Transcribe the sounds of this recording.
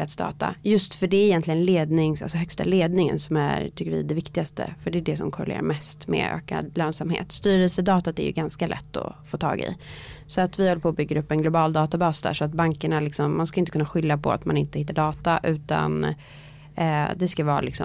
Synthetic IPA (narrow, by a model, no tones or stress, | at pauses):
at̪sd̪ɑ̰ːt̪a̰jɵst̪fœɖɛːɾɪjɛnt̪lɪɡənleːd̪nɪŋsalsɔhœkst̪a̰leːd̪nɪŋə̰nsɔmæɾt̪ʰʏkːəɾvɪ̰d̪ɛvɪkt̪ɪɡast̪ə̰fœɖɛːɖɛsɔmkʰɔɾɛlḛːɾa̰ɾmɛst̪mɛ̰ø̰ːka̰d̪løːnsamhḛːt̪st̪yːɾɛlsəd̪ɑːt̪at̪æɾjɵ̰ɡanskalʔɛ̰t̪ːɔ̰foːt̪ʰɑ̰ːɡɪ̰sɔat̪vɪhɔlːəpʰoːbʏɡːəɾɵpːɛnɡlʊbɑːld̪ɑːt̪abɑːsd̪æ̰ːʂɔat̪̚baŋkəɳalɪksɔmːanskajɪnt̪əkʰɵnːaɧʏlːapʰɔ̰a̰t̪manɪnt̪əhɪt̪ːaɖɑːt̪aʔʉ̟ːt̪a̰n | d̪ɛskavɑːɾalɪksɔ